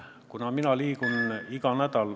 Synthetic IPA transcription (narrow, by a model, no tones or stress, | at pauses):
kunɑminɑliːkunikɑnæd̪ɑl